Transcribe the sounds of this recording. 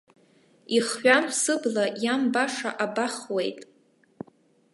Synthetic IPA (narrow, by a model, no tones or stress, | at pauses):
iχɥʷᶣamsɨblajambaʂa̰ʔabaχwe̞jtʼ